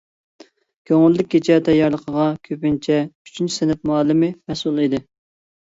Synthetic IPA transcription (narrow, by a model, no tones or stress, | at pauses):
kʲʰøŋylːɪk̚ʲɡʲet͡ʃʰɛt̪ʰɛjɑɾlˠəqʰəʁɑkʲʰøpɪnt͡ʃʰɛy̥t͡ʃʰynt͡ʃʰi̥sɪnɪp̚muɑlˠɨmɪmɛsulˠid̪ɪ